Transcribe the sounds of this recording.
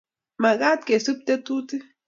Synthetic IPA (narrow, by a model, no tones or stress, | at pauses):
maɡat̪̚kesup̚t̪et̪ut̪i